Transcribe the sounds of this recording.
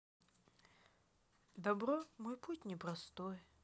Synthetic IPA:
d̪ɐbɾɔmojputʲnʲɪpɾɐst̪oj

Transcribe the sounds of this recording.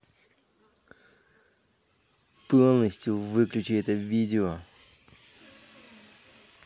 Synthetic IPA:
polˠnəsʲtʲjʊvɨklʲʉt͡ɕɪɛt̪əvʲidʲɪo

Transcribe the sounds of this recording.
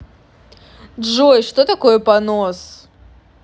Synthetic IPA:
dʐojʂt̪ot̪ɐkojəpɐnos

